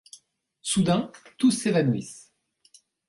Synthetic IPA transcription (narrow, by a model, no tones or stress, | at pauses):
sud̪ɛ̃t̪usːevanuis